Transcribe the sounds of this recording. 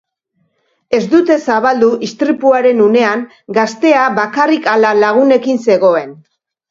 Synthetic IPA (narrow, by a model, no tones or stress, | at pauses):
e̞zd̪ut̪e̞saβald̪uʔist̪ɾipuaɾe̞nune̞aŋ | ɡast̪e̞aβakarikalalaɣ̞une̞kinse̞ɣo̞e̞n